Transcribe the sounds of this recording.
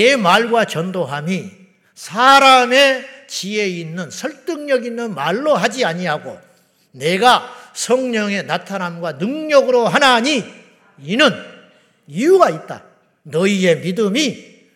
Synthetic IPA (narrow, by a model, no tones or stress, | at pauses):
emaɭɡwat͡ɕʌndoɦami | sʰaɾame̞t͡ɕie̞inːɯnsʰʌɭt͈ɯŋɲʌɡinːɯnmaɭːoɦad͡ʑiaɲiɦaɡo̰ | ne̞ɡasʰʌŋɲʌŋe̞natʰanamɡwanɯŋɲʌɡɯɾoɦanaɲi | inɯn | ijuɡait̚t͈a̰ | nʌie̞midɯmi